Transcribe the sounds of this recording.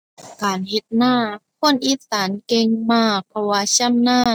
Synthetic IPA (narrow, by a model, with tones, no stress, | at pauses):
kaː˨˩nhe˧˦t̪̚naː˧˥˩kʰo˧˥˨nʔiː˧˥saː˩˦nke˧ŋmaː˧˩k̚pʰɔ˧waː˧t͡ɕʰa˧˥˨mnaː˧˥˩